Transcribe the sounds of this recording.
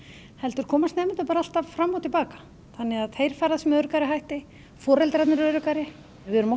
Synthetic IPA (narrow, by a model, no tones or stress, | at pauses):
hɛlt̪ʏɾ̥kʰɔːmast̪nɛːmʏɪnt̪ʏpaːɾaal̥t̪avfɾamːawt̪ʰɪlpaːkḁ | θanːɪɣaðt̪ʰeːjɾ̥faːɾaðsɛmœɥɾʏkaɾɪɦajht̪ɪ | fɔːɾɛlt̪ɾɛjt̪nʏɾœɥɾʏkaɾɪ | vɪʏɾʏmɔ